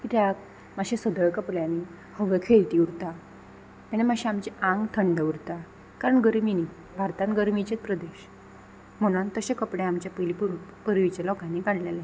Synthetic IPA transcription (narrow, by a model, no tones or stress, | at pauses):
kit̪jak̚ | maɕẽsəd̪əɭkəpɽjãni | həʋekʰeɭt̪iːuɾt̪a | anemaɕĩamt͡ɕiãŋɡt̪ʰəɳɖəuɾt̪a | kaɾəɳɡəɾmini | bʱaɾt̪ãnɡəɾmit͡ɕet̪̚pɾəd̪eɕ | m̤əɽ̃ant̪əɕẽkəpɽẽamt͡ɕjapəlippəɾʋit͡ɕalɔkãnːikaɳɖlele